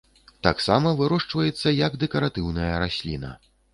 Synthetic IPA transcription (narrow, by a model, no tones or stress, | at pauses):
t̪aksamɐvɨɾɔʂt͡ʂvɐjɛt̪sːɐjɐɡd̪ɛkɐɾat̪ɨwnɐjɐɾasʲlʲḭnɐ̰